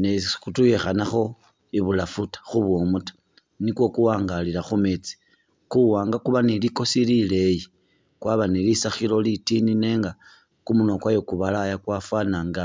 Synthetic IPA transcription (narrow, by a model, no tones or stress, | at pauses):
nekutujexanaxo̞ | iβulafutḁxuβwomutḁ | nikwo̞kuwaːŋɡalilaxumet͡si̥ | kuwaːŋɡakuβaniliko̞silile̞ji | kwaβanilisaxilo̞litinine̞ːŋɡa | kumuno̞kwajokuβalajakwafwanaŋɡa